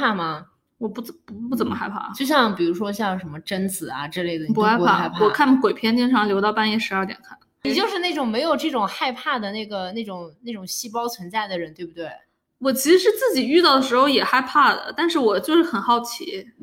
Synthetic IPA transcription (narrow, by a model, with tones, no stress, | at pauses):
a˥˩mɐ˩ | wɔ˨˩pu˥˩ppu˥˩t͡sə˨˩nmə˦xa˥˧ɪpʰa̰˥˩t͡ɕjo˥˧ʊɕjɑ˥˧ŋpi˨˩ɻu˧˥ʂwɔ˥ɕjɑ˥˩ŋʂə˧˥nmə˧ʈ͡ʂə˥nt͡sɹ̩˨˩ɐ̰˧ʈ͡ʂɤ˥˧le˥˩ɪd̪ə˨pu˥˧xa˥˧˥pʰa˥˩a˥˧pʰaɔ˨˩˧kʰa˥˩nkwe˨˩ɪpʰjɛ˥nt͡ɕjɛ˥nʈ͡ʂʰɑ˧˥ŋljo˧˥ɑ˥˧ʊpa˥˧njɛ˥˩ʂɻ̩˧˥ɐ˞˥˧t̪jɛ̰˨˩nkʰa˥˩n | ni˨˩t͡ɕjo˥˧ʊʂɻ̩˥˧na˥˩ʈ͡ʂʊ˨˩ŋme˧˥ɪjo˨˩ʊʈ͡ʂɤ˥˩ʈ͡ʂʊ˨˩ŋxa˥˧ɪpʰa˥˩d̪ə˩na˥˩ɪɡə˩na˥˩ɪʈ͡ʂʊ˨˩ŋna˥˩ɪʈ͡ʂʊ˨˩ŋɕi˥˩pɑ˥ʊt͡sʰwə˧˥nt͡sa˥˩ɪd̪ə˩ɻə˧˥nt̪we˥˩ɪbu˩t̪we˥˩ɪ | wɔ˨˩t͡ɕʰi˧˥ʂɻ̩˧˥ʂɻ̩˥˧t͡sɹ̩˥˩t͡ɕi˨˩y˥˧t̪ɑ˥˩ʊd̪ə˩ʂɻ̩˧˥xo˥˧ʊjɛ˨˩xa˥˧ɪpʰa˥˩d̪ə̰˩t̪a˥˧nʂɻ̩˥˩wɔ˨˩t͡ɕjo˥˧ʊʂɻ̩˥˩xə˨˩nxɑ˥˩ʊt͡ɕʰi˧˥